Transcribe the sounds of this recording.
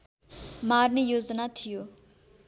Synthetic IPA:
maɾnejoːd͡zənat̪ʰijo

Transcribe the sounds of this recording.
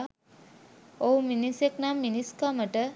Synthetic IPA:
oɦuminiseknamːiniskaməʈə

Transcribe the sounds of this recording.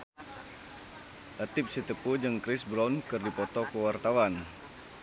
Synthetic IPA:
ʔət̪ɪp̚sit̪əpud͡ʒɨŋkɾɪsbɾankɨrdipɔt̪ɔkəwart̪awan

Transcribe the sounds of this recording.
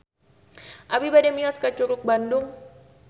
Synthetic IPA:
ʔabibadɛmiɔskat͡ʃuɾʊk̚bandʊŋ

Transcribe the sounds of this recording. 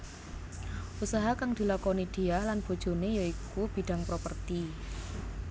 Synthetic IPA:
ʔusaɦakaŋd̪̥i̤lakonid̪̥i̤ahlanb̥o̤̥ʒ̥o̤nejaikub̥i̤ɖ̥a̤ŋpɾopərt̪i

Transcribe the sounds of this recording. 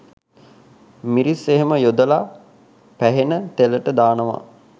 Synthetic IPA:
miɾiseɦeməjod̪əla | pæɦenət̪eləʈəd̪aːnəʋa̰

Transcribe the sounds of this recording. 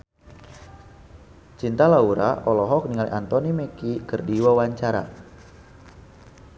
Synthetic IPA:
t͡ʃint̪alauɾa̰ɔlɔɦɔk̚niŋalḭʔant̪ɔnimekikərdiwawaɲt͡ʃaɾa̰

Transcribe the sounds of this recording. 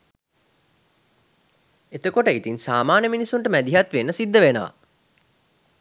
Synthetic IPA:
et̪əkoʈəit̪insaːmaːnəminisːuɳʈəmæd̪iɦat̪ʋenːəsid̪ːəʋenəʋa̰

